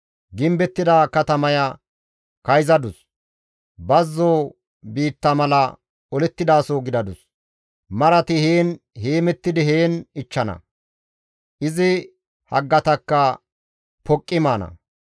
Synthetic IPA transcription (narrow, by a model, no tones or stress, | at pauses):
ɡɪmbɛt̪ːɪd̪aːkɐt̪ɐmɐjɐ | kɐjzɐd̪ʊs | bɐzːoː | biːt̪ːɐmɐlɐ | ɔlɛt̪ːɪd̪aːsoːɡɪd̪ɐd̪ʊs | mɐɾɐt̪ɪheːn | heːmɛt̪ːɪd̪ɪɦeːnɪt͡ʃːɐnɐ̰ | ʔɪzɪ | hɐ̰ɡːɐt̪ɐkːɐ | pɔkʼːɪmaːnɐ̰